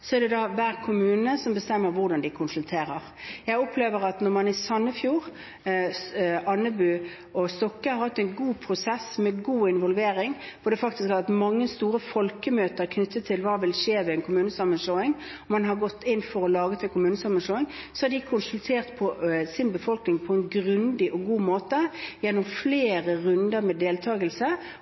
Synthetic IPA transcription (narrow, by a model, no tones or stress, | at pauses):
sɔɛʁd̪ɛd̪ɑʋæːʁkʰʊmʉːnəsɔmbəst̪ɛmːəɾʋʊʁd̪ɑnd̪ɪkʰʊnsʉlt̪ʰeːɾəʁjæɪɔpʰleːʋəʁɑt̪nɔʁmɑnɪsɑnːəfjuːʁ | ɑnːəbʉː | ɔst̪ɔkːəhɑɾhɑt̪ːɛɪnɡuːpʰʁʊsɛsmɛɡuːɪnʋɔlʋeːɾɪŋfɔd̪ɛfɑkt̪ɪskhɑɾʋɛt̪mɑŋːəst̪uːʁəfɔlkəmøːt̪əɾkʰnʏt̪ːət̪ʰːɪlʋɑːʋɪlʂeːʋɛɛnkʰʊmʉːnəsɑmənsloːɪŋ | ɔmɑnɦɑɾɡɔt̪ːɪnːfɔɾɔlɑːɡət̪ɛnkʰʊmʉːnəsɑmənsloːɪŋsɔhɑd̪ɪkʰʊnsʉlt̪ʰeːʁt̪pʰɔsɪnbəfɔlknɪŋpʰɔɛnɡʁʉnd̪ɪʔɔɡuːmoːt̪əjɛnːʊmfleːʁəʁʉnd̪əɾmɛd̪eːlt̪ʰɑːɡəlsə